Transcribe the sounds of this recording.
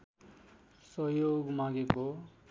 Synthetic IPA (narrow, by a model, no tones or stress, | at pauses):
sʌjoɡmãɡeko